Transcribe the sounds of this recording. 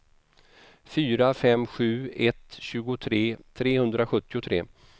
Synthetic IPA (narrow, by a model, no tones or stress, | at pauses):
fyːɾafɛmɧʉ̟ːɛt̪ɕʉ̟ːɡʊt̪ʰɾeːt̪ʰɾeːhɵnd̪ɾaɧɵt̪ːɪʊt̪ʰɾeː